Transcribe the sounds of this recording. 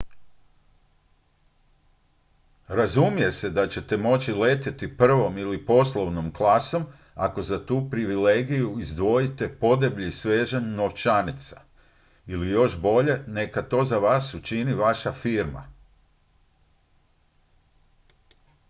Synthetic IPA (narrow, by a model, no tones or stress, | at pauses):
ɾazumije̞se̞d̪at͡ɕe̞t̪e̞mo̞t͡ɕile̞ːt̪et̪ipr̩ʋo̞milipo̞slˠo̞ʋno̞mklˠaːso̞m | a̰ko̞zat̪uːpɾiʋileɡijuizd̪ʋo̞jit̪e̞po̞d̪ebʎisʋe̞ːʒanːo̞ʋt͡ʃanit̪sḁ | ilijo̞ʃbo̞ʎe̞ne̞kat̪o̞ːzaʋaːsut͡ʃiniʋaʃafiːɾma̰